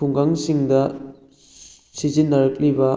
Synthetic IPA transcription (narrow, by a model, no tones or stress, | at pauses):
uŋɡaŋsiŋdɐ | sizinːɐɾɐk̚libɐ